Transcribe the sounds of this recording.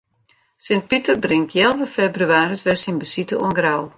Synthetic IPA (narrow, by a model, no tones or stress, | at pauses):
sɪnt̚pitərbrɪŋtʰjɛlˠvəfebryaːɾətʋɛsinbəsitəo̰nɡraw